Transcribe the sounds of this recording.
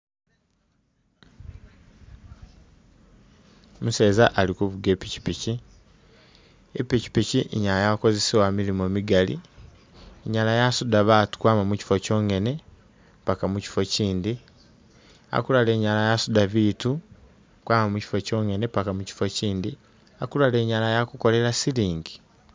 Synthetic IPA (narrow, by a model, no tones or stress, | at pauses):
museːzaʔalikuβuɡe̞pici̥pici | epici̥piciʔeɲalajako̞ze̞siwamilimomiɡalḭ | eɲalajasudaβatu̥kwaːmamuci̥fo̞co̞ːŋe̞ne̞ | mpakamuci̥fo̞ciːndi | a̰kulale̞ːɲalajasudaβitu | kwaːmamuci̥foco̞ːŋe̞nepakamuci̥fo̞ciːndi | akulale̞ːɲalajakuko̞le̞lasiliːŋɡi̥